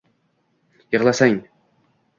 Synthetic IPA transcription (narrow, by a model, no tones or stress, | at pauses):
jɤʁlˠasaŋ